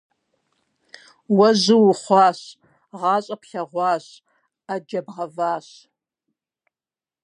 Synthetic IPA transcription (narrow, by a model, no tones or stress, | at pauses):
wɐzɨwʊχʷɑːɕ | ʁɑːɕʼɐpɬɐʁʷɑːɕ | ad͡ʒɐbʁɐvaːɕ